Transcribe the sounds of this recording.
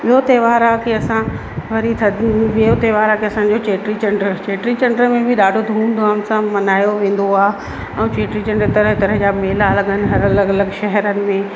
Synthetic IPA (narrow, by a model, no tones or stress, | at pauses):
ɓɪot̪eːʋaːɾakeɐsã | ʋɐɾit̪ʰɐʋiot̪eːʋaːɾakiɐsãːɲ̆d͡ʑot͡ɕeːʈɾit͡ɕɐ̃ɳɖəɾt͡ɕeːʈɾit͡ɕɐ̃ɳɖəɾmẽbʱɪɗaːɖʱod̪ʱũːnd̪oaːʊnsãmɐnaːjoʋẽːn̆d̪oaːɦ | ɛ̃ːt͡ɕeːʈɾit͡ɕɐ̃ɳɖt̪ɐɾəɦt̪ɐɾəɦd͡ʑameːɦɪlaɐləɠənɪ̆ɦɐɾɐləɡɐləɡʃɛɦəɾənɪ̆mẽ